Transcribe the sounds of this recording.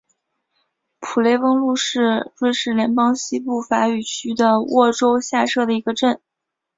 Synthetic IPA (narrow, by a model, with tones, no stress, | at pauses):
pʰu˨˩le˧˥ɪwɤ˥ŋlu˥˧ʂɻ̩˥˩˧ʈ͡ʂwe˥˧ɪʂɻ̩˥˩ljɛ˧˥npɑ˥ŋɕi˥pu˥˩fa˧˥y˨˩t͡ɕʰy˥d̪ə˨wʔɔ˥˩ʈ͡ʂo˥ʊɕja˥˧ʂɤ˥˩ɾə˩i˧˥ɡə˧ʈ͡ʂə˥˩n